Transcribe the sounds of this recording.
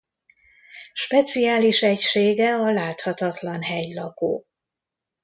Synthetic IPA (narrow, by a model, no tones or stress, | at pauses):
ʃpɛt̪siaːliʃɛcʃeːɡɛɒlaːt̪hɒt̪ɒt̪lɒnɦɛjlɒko̰ː